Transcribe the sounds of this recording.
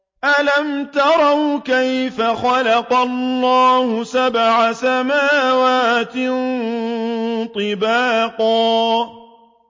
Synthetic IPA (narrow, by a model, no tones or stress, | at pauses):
ʔalamt̪ɑɾˤɑwkajfaxɑlɑqɑlːɑːhʊsabʕasamaːwaːt̪ɪ | t̪ˤɨbaːqɑː